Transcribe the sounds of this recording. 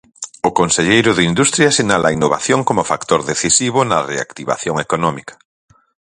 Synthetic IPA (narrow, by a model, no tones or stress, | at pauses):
ʊkonseʎejɾʊðɪind̪ust̪ɾjɐsinalʔɐainoβa̰θjoŋkomʊfakt̪oɾðeθisiβ̞ʊnɐrea̰kt̪iβa̰θjoŋekonɔmikɐ̥